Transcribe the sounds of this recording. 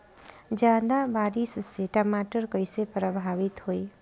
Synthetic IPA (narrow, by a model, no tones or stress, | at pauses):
d͡ʒjaːd̪abaːɾisseʈəmaːʈəɾkəɪsepɾəbʱaːʋɪt̪hoi